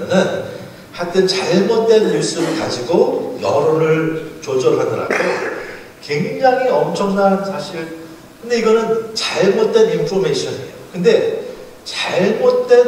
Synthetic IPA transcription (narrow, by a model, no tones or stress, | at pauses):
nɯn | hat͈ʰet͡ɕaɭmot̚t͈we̞njus͈ɯbɯɭkad͡ʑiɡojʌ̰ɾoɾɯɭt͡ɕod͡ʑʌɾɦadɯɾa̰ɡo | kwe̞ŋd͡ʑaŋɦiʌmt͡ɕʰʌŋnansʰaɕʰiɭ | kɯnde̞iɡʌnɯnt͡ɕaɭmot̚t͈e̞nimpʰɾomeɕʰʌniejokɯnde̞ | t͡ɕaɭmot̚t͈e̞n